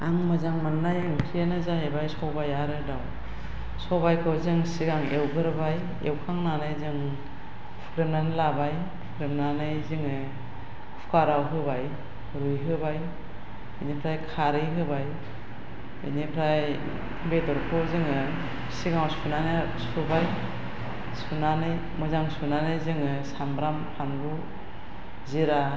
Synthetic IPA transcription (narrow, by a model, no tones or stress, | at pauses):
aŋmɯzaŋmanːajɯŋkʰijanɯzaɦebajsɔwbajaɾɯdaw | sɔwbajkʰɯwzɯŋsiɡaŋewɡɯɾbaj | ḛwkʰaŋnanɯjzɯŋ | pʰukɾemnanɯlabaj | pʰukɾemnanɯjzɯŋɯ | kʰu̥kaɾawɦɯbaj | ɾujɦɯbaj | ɯnipʰɾajkʰaɾɯjɦɯbaj | ɯ̰nipʰɾaj | bedɔɾpʰɔzɯŋɯ | siɡawsunanɯ | subaj | sunanɯj | mɯzaŋsunanɯjzɯŋɯsambɾampʰanbu | ziɾa